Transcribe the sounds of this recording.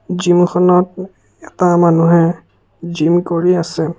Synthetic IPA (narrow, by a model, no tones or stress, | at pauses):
zimxʰɔnɔt̚ | ɛtamanuɦɛ | zimkoɹiasɛ